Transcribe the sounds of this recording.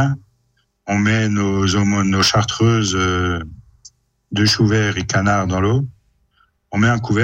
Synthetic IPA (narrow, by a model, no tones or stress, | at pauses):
ɔ̃mɛnozomɔnoʃaʁt̪χøːzø | d̪əʃuvɛːʁekanaʁd̪ɑ̃lo | ɔ̃mɛɛ̃kuvɛ